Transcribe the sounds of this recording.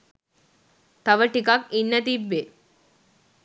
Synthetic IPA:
t̪ɐʋəʈikɐkinːɐt̪̬ibːe

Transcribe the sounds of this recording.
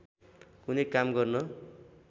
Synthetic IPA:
kunʌkamɡʌrnʌ

